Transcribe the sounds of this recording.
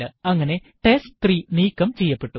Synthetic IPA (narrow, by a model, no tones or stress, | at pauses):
ɨɐŋːɐne̞ʈesʈt̪riniːkːɐmt͡ɕejːɐpːe̞ʈːu